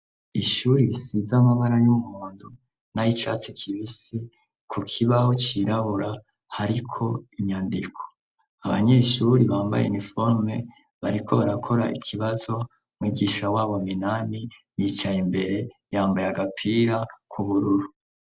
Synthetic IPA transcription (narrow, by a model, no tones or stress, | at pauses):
iʃuːɾisizamaβaɾajumuːndu | najit͡ʃa̰ːt͡sekʰiβisi | kʰukʰiβaho̞t͡ʃiɾaβuɾa | haɾikʰo̞iɲandikʰo̥ | aβa̰ɲe̞ʃuɾiβaːmba̰jenifo̞ɾme̞ | βaɾikʰo̞βaɾakʰo̞ɾaʔḭkʰiβazo̞ | mwiːɡiʃawaːβominanijit͡ʃajimbe̞ɾe̞jaːmbajaɡapʰiːɾakʰuβuɾuɾu